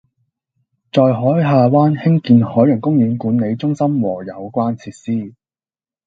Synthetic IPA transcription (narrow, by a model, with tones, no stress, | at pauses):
t͡sɔː˧jɦɔː˨˥jɦaː˨˧waː˥nhɪ˥ŋkiː˨˧nhɔː˨˥jɵ˨˩nkʊ˥ŋjyː˨˧nkuː˨˥nne˨˧jt͡sʊ˥ŋsɐ˥mwɔː˨˩jɐ˨˧wkʷaː˥nt͡sʰiː˧t̚siː˥